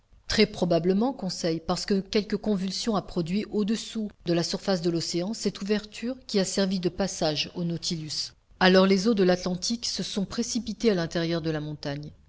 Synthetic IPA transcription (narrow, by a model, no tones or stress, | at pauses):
t̪χɛpχɔbabləmɑ̃kɔ̃sɛjpaʁsə̥kəkʲɛlkəkɔ̃vylsjɔ̃apχɔd̪ɥiʔod̪əsud̪əlasyʁfas̬d̪əlɔseɑ̃sɛt̪uvɛʁt̪ʰyʁkʲiasɛʁvid̪əpasaʒonɔt̪ʰilys | alɔʁlezod̪əlat̪lɑ̃t̪iksəsɔ̃pχesipit̪ealɛ̃t̪ɛʁjœʁd̪əlamɔ̃t̪aɲ